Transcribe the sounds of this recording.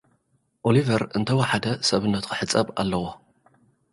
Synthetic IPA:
ʔolivɐɾɨnt̪ʰɐwɐħad̪ɐsɐβɨnːɐt̪kʰɨħɨt͡sʼːɐba̰lːɐwo

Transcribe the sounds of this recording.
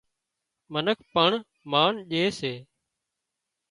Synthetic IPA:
mənəkʰpəɳ | maːnʄeːseː

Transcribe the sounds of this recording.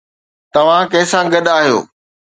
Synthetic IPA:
t̪ɐʋ̤ãkɐ̃ɦɪsãɡɐɗaːɦijo̰ː

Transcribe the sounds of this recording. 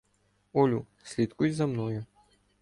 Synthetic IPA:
ɔlʲu | sʲlʲit̪kujʲzɐmnɔjʊ

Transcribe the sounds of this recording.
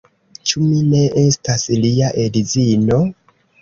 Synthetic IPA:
t͡ʃumine̞ʔe̞stasliaʔedizino̞

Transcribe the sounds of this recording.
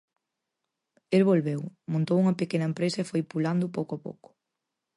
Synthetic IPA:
elβolβewmõnt̪owuŋɐpekenɐempɾesɐefojpuland̪ʊp̬owkoapo̰wkʊ̥

